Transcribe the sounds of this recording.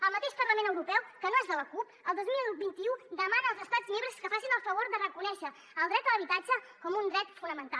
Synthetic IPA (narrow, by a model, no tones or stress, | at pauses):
əlˠmət̪eʃpərləmenəwɾupɛwkənoezðələkup | əlˠd̪ozmilbint̪iud̪əmanəːlˠzəst̪ad͡zmembɾəskəfasinəlˠfəβ̞oɾd̪ərəkunɛʃə | əlˠd̪ɾɛt̪ələβit̪ad͡ʒə | kɔmund̪ɾɛt̪funəmənt̪alˠ